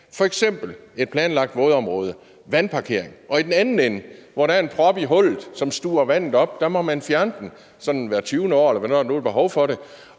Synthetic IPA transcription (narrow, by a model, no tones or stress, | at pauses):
fɒ̽eɡ̥sem̰b̥l̩e̝d̥̚pʰlɛːnlɑ̈ɡ̥̚d̥ʋɔːð̞ˠɒ̽mʁɔːð̞ˠə | ʋænpʰɑ̈kʰe̝ɐ̰eŋʔɒ̽id̥enænn̩enəʋɒɾ̥ææɐe̝npʰʁɒ̽b̥iɦɔ̽l̰ð̩ˠsɒ̽msd̥uːɐʋæn̰ð̩ˠɒ̽b̥d̥ɑmɒ̽mænfjæɐnəd̥n̩ | sɒ̽nnʋæːɐt͡sʰyːʊnəɒ̰ːelɐʋæneðˠno̝ːl̩ˠb̥e̝ɦɒ̽ʊfɒ̽ɾe̝